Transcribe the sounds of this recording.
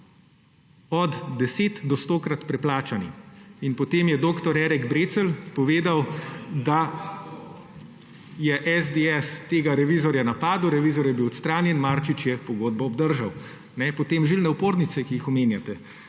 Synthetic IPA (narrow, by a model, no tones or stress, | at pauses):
ɔd̪d̪ɛseːt̪d̪ɔst̪oːkɾat̪pɾɛplaːt͡ʃaniinpɔt̪eːmjɛd̪oːkt̪ɔɾɛːɾɛɡbɾeːt̪səlpɔʋeːd̪awd̪a | jɛʔɛzd̪eɛst̪eːɡaɾɛʋiːzɔɾjanapaːd̪uwɾɛʋiːzɔɾjɛbiwɔt̪st̪ɾaːnjɛnmaɾt͡ʃit͡ʃjɛpɔɡoːd̪̚bɔːbd̪əɾʒaw | nɛpɔt̪eːmʒilnɛwpoːɾnit̪sɛkijixɔmeːnjat̪ɛ